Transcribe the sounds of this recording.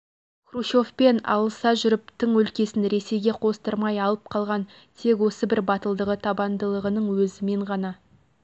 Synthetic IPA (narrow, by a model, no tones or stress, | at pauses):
kruʃo̞fpe̞nɑ̰lˠəsɑʒʏɾɪpt̪ɪŋwɵlkʲe̞sɪnɾe̞se̞jɡʲe̞qʰo̞st̪əɾmɑjɑlˠəp̚qʰɑlˠʁɑn | t̪ʰe̞kwo̞səbɪɾbɑt̪əlˠd̪əʁət̪ʰɑbɑnd̪əlˠəʁənəɴwɵzɪme̞ɴʁɑnɑ